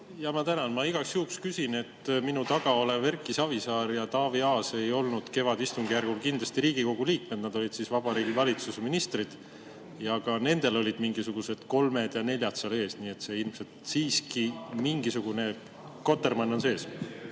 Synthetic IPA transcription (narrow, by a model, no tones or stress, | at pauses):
jɑmɑt̪ænɑnmɑiɡ̥ɑksjuːkskysine̞t̪ːminut̪ɑɡ̥ɑo̞leve̞rkˑːisɑvisɑːɾjɑt̪ɑːviɑːse̞jo̞lnud̪̥ke̞vɑd̪̥ist̪uŋɡ̥ijærɡ̥ulkind̪lɑst̪iɾiːɡ̥iko̞ɡ̥uliːk̚me̞d̪̥nɑd̪̥o̞lid̪̥sisvɑb̥ɑɾiːɡivɑlʲit̪suseminist̪rid̪̥ | jɑɡ̥ɑne̞nd̪̥e̞lo̞lʲid̪̥miŋɡ̥isuɡ̥use̞d̪̥ko̞lme̞d̪̥jɑne̞lʲjɑt̪sɑle̞ːsniːe̞t̪se̞ilmse̞lt̪siːskimiŋɡisuɡ̥une̞ | ko̞t̪ːˑe̞rmɑnːo̞nse̞ːs